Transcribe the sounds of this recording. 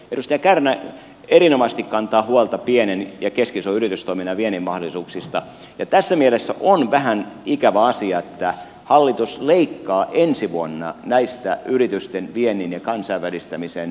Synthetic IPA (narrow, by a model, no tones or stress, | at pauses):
edust̪ejɑkærmæ | eɾinomɑst̪ikkɑnt̪ɑːhuɑlt̪ɑpienenjɑkeskisoyrit̪yst̪oiminɑʋienːimmɑholˑisuːksist̪ɑ | jɑt̪æsːæmielesːæ̰ʔonʋæhænikæʋæɑsiɑet̪ːæ | hɑlːit̪usleikːɑːʔensiʋuonːɑ̰næist̪æʔyrit̪yst̪enʋienːinjɑkɑnsɑiʋʋælist̪æmisen